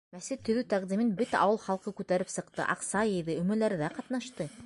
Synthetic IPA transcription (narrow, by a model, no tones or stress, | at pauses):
mæsɘtt̪ːɵ̆ðʉt̪æqd̪imɘnbɘt̪æʔɑwɤlˠχɑlˠqɤkʉt̪æɾɘpsɤ̆qt̪ɤ̰ʔɑ̰qsɑjɤ̆jðɤɵ̆mɵ̆læɾðæqɑt̪nɑʃt̪ɤ